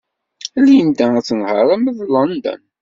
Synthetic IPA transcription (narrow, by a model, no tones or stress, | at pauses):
æljənd̪ææt͡sːənhəɾˤæməðlɑnd̪ə̰n